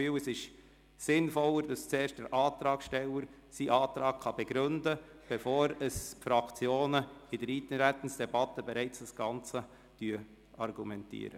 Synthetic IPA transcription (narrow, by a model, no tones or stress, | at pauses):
yːwəsɪʃ | sɪnfɔləɾd̥ɑst͡seːɾʃtd̥əɾʔɑːt̪ɾɑːkʃtɛləɾ | siʔɑːt̪ɾɑːkχɑb̥ɛɡ̥ɾʏndə | b̥ɛfoːɾəsfɾɑkt͡sjoːnəɪdəɾiːt̪nɾɛt̪ən̩sd̥ɛbɑt̪ːəbɛɾɛɪt͡sɑsɡ̥ɑnt͡sə | d̥yːə | ɑɾɡumɛntḭəɾə